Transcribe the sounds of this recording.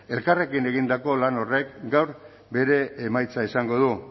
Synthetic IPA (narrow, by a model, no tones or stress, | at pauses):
e̞lkare̞kine̞ɣ̞ind̪ako̞lano̞re̞kɡawɾ | be̞ɾe̞ːmajt͡saisaŋɡo̞ð̞u